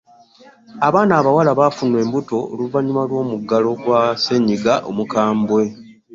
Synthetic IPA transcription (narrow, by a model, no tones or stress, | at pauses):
aβaːnaːβawalaβafunwe̞ːmbuto̞o̰luvaɲumalwo̞ːmuɡalo̞ɡwase̞ɲiɡaʔo̰mukaːmbwe̞